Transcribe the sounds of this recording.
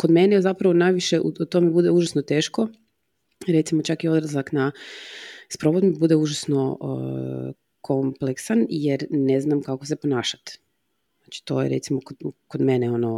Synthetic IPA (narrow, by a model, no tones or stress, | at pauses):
ko̞d̪menezapɾaʋo̞najʋiʃeʔṵut̪o̞mebud̪euʒasnot̪e̞ːʃko̞ | ɾet̪simo̞t͡ʃakio̞d̪ɾazlakna | spɾo̞ʋod̪mibud̪euʒasno̞̰ | kʰo̞mpleksanjeɾne̞znamkakoseponaːʃḁt̪ | znat͡ʃi̥t̪o̞jḛɾet̪simokokod̪me̞neo̞no